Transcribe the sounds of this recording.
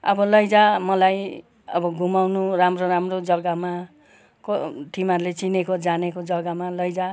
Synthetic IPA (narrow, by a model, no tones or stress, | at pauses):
ʌ̰bʌlʌjd͡zamʌlaj | ʌ̰bʌɡʱumawnuramroɾamrod͡zʌɡama | koʈ̪ʰimarlet͡sinekod͡zanekod͡zʌɡamalʌjd͡za